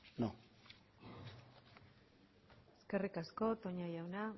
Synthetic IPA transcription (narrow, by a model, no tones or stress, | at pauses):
no | eske̞rikasko̞t̪o̞ɲajawna